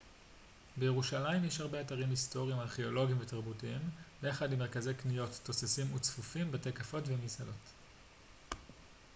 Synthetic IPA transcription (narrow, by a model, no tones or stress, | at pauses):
bejeʁuʃalaimjeʃhaʁbeataʁimisto̞ʁiimaʁχeo̞lo̞ɡimvetaʁbutiimbeaχadimːeʁkaze̞jknijo̞tːo̞sesimut͡sfufimbetekafo̞tvemisalo̞t